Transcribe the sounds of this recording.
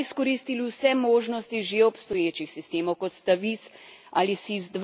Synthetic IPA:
iskɔɾiːst̪iliwsɛmoːʒnɔst̪iʒeɔpst̪ɔjeːt͡ʃixsist̪eːmɔwkɔt̪st̪aʋis | aːlisizd̪ʋ

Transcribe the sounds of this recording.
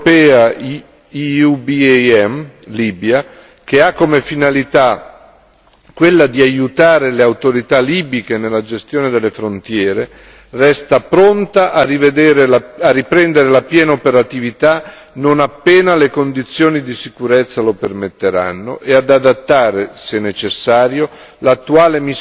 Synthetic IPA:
pɛːa | iubiɛmliːbja | k̟eakːomefinalit̪a | kwelːad̪iajut̪aːɾeleawt̪oɾit̪aliːbikenelːad͡ʒest̪joːned̪elːefɾont̪jɛːɾe | rɛst̪apɾont̪aʔarived̪ɛːɾeaarːipɾɛnd̪eɾelapjɛːnaopeɾat̪ivit̪a | nonapːɛːnalekond̪it̪sːjoːnid̪isikuɾɛt̪sːalopermet̪ːeɾa̰nːo̰ʔead̪ad̪at̪ːaːɾesɛnːet͡ʃesːaːɾjo | lat̪ːuaːlemi

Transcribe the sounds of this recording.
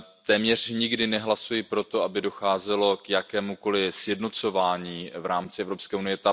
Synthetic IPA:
t̪ɛːmɲɛr̝̥ɲɪɡdɪnɛɦlasujɪpɾo̞t̪oabɪdo̞xaːzɛlo̞kjakɛːmuko̞lɪsjɛdno̞t͡so̞vaːɲiːvɾaːmt͡sɪɛvɾopskɛːʔunɪjɛt̪a

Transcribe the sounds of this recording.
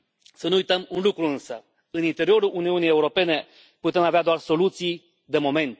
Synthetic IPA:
sənuujt̪əmunlukɾuɨnsə | ɨnint̪e̞ɾio̞ɾulʔuniunije̞uɾo̞pe̞ne̞ | put̪e̞mavead̪oarso̞lut̪sij | d̪e̞mo̞me̞nt̪̚

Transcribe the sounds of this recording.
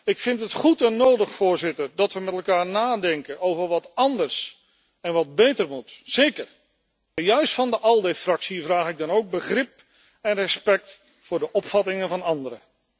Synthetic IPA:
ɪkfɪntɦətχutɛnːowdəχfʊːɹzɪtəɹdɑtʋəmɛtɛlˠkaːɹnaːdɛŋkənʔowvəɹʋɑtɑndəɹs | ɛnʋɑd̚bejtəɹmutsejkər | ɛjœɥstfɑndəʔɑlˠdefrɑksivraːχɪɡ̚dɑnowɡ̚bəχrɪp̚ | ɛnrɛspɛk̚t | fʊːɹdəʔɔpfɑtɪŋənvɑnɑndəɾə

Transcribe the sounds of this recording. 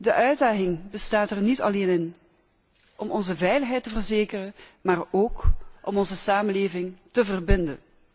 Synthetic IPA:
dəʔœɥdaːχɪŋbəstaːtɛrnitɑ̰leːnɪn | ʔɔmɔnzəvɛjləχɦɛjtəvərzeːkərənmaːroːkʔɔmɔnzəsaːmənleːvɪŋtəvərbɪndə̰n

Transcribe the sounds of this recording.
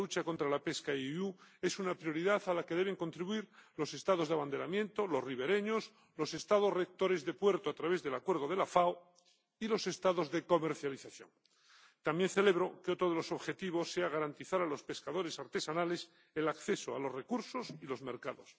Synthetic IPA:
ut͡ʃako̞nt̪ɾalape̞skaue̞sunapɾjo̞ɾiðaθalake̞ðe̞β̞e̞ŋko̞nt̪ɾiβuiɾlo̞se̞st̪að̞o̞zðaβand̪elamjẽ̞nt̪o̞lo̞zriβ̞e̞ɾe̞ɲos | lo̞se̞st̪aðo̞zre̞k̚t̪o̞ɾe̞zðe̞pwe̞ɾt̪oat̪ɾaβ̞e̞zðe̞lakwe̞ɾð̞o̞ð̞e̞lafao | ilo̞se̞st̪aðo̞zðe̞ko̞me̞ɾθjaliθaθjo̞̰ŋ | t̪ambjẽ̞nθe̞le̞β̞ɾo̞keo̞t̪ɾo̞ð̞elo̞so̞βxe̞t̪iβ̞o̞sːe̞aɣ̞aɾant̪iθaɾalo̞spe̞skaðo̞ɾe̞saɾt̪e̞sanale̞s | elakθe̞soa̰lo̞zre̞kuɾso̞silo̞zme̞ɾkaðo̞s

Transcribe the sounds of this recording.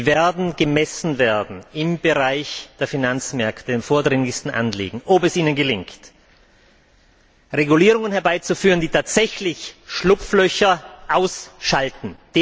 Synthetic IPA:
veːɐdn̩ɡəmɛsn̩veːɐdn̩ɪmbəʁaɪçd̥eːɐfinant͡smɛɐktəɪmfoːɐdʁɪŋlɪçstn̩ʔa̰nlḭːɡŋ̩ʔopɛsʔiːnənɡəlɪŋkt | ʁeɡuliːʁ̞ʊŋənhɛɐbaɪt͡sufyːʁənd̥iːtʰaːtz̥ɛçlɪçʃlʊpflœçɐʔaʊsʃaltn̩d̥eː

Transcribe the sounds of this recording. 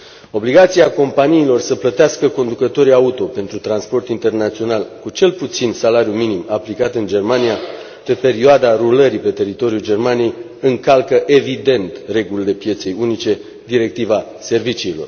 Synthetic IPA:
o̞bliɡat̪siako̞mpaniːlo̞rsəplət̪easkəko̞nd̪ukət̪o̞ɾiaut̪o̞pe̞nt̪ɾut̪ɾanspo̞rt̪int̪e̞rnat̪sio̞nalkut͡ʃe̞lput̪sinsalaɾjuminimaplikat̪ɨnd͡ʒe̞rmania | pe̞pe̞ɾioad̪aɾuləɾipe̞t̪e̞ɾit̪o̞ɾijud͡ʒe̞rmanije̞j | ɨŋkalkəʔe̞vid̪e̞nt̪re̞ɡulile̞pije̞t̪se̞junit͡ʃe̞ | d̪iɾe̞k̚t̪iva | se̞rvit͡ʃiːlo̞r

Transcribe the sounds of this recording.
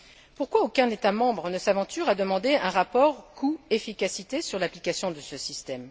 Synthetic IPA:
puʁkwaokʲɛ̃net̪amɑ̃bʁənəsavɑ̃t̪yʁad̪əmɑ̃d̪eɛ̃ʁapɔʁkʰuefikʲasit̪esyʁlaplikasjɔ̃d̪əsəsist̪ɛm

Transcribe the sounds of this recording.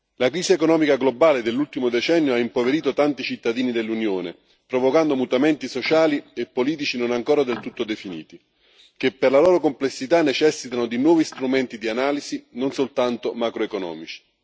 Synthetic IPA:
lakɾiːsiekonɔːmikaɡlobaːled̪elːult̪imod̪et͡ʃɛnːjoaimpoveɾiːt̪ot̪ant̪it͡ʃit̪ːad̪iːnid̪elːunjoːnḛ | pɾovokand̪omut̪amɛnt̪isot͡ʃaːliepːoliːt̪̬it͡ʃinonaŋkoːɾad̪elt̪ut̪ːod̪efinḭːt̪i | k̟epːerlalɔːɾokomplesːit̪anːet͡ʃɛsːit̪anod̪inwɔːvist̪ɾumɛnt̪id̪ianaːlizinonsolt̪ant̪omakɾoekonɔ̰ːmit͡ʃi̥

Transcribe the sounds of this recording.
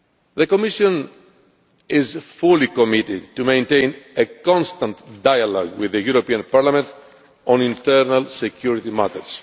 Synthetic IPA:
ðəkomiʃõn | ɪzfulikomit̪ɪd̪t̪umẽj̃nt̪ẽjnekɔ̃nst̪ãnt̪d̪ajalɔ̰ɡwiðəjuɾopiãnpaɾlamẽnt̪ | õnĩnt̪ɛɾnalsekʰjuɾit̪ima̰t̪əɾs

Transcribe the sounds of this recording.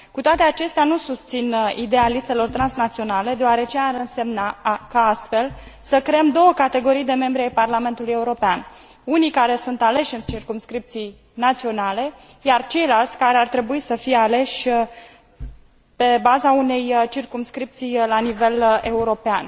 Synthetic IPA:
kut̪oat̪e̞at͡ʃe̞st̪eanusust̪sinid̪e̞jalit̪se̞lo̞rt̪ɾansnat̪sio̞nale̞d̪eoaɾe̞t͡ʃeaɾɨnse̞mnakaast̪fe̞lsəkɾeemd̪o̞wəkat̪e̞ɡo̞ɾijd̪e̞me̞mbɾiajparlame̞nt̪uluje̞uɾo̞pean | unikaɾe̞sunt̪ale̞ʃʲɨnt͡ʃirkumskɾip̚t̪sij | nat̪sio̞nale̞jart͡ʃe̞jlalt̪sʲkaɾe̞art̪ɾe̞buisəfijeale̞ʃʲ | pe̞bazaune̞jt͡ʃirkumskɾip̚t̪sijlanive̞le̞uɾo̞pean

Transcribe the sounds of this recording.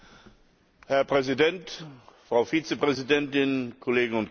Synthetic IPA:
hɛɐpʁ̥ɛzidɛntfʁ̥aʊfiːt͡səpʁ̥ɛzidɛntɪnkʰɔleːɡəŋ̩ʊnt

